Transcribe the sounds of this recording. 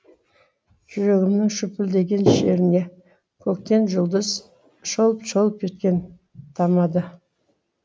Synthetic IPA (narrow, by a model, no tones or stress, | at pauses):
ʒ̥ʏɾe̞ɡʲɪmnɪŋʃʏpɪld̪e̞ɡʲe̞nʃe̞ɾɪne̞ | kʲʰɵk̚t̪e̞nʒʊlˠd̪əz | ʃolˠəpʃolˠəp̚kʰʲet̪̚kʲe̞n | t̪ʰɑmɑd̪ə